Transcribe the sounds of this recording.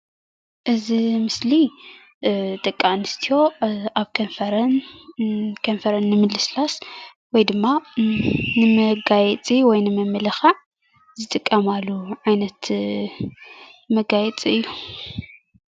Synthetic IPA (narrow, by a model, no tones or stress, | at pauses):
ʔɨzimɨsli | t̪ʼɐkʼːanɨst̪ʰijo̞ʔaβkʰɐnfɐɾɐn | kʰɐnfɐɾɐnːɨmɨlːɨslas | wɔjd̪ɨmːa | nɨmɐɡajɛt͡sʼiwɔjnɨmɐmːɨlɐxaʕ | zɨt̪ʼɨkʼːɐmalːuʕajnɐt̪ | mɐɡajɛt͡sʼiɨjːu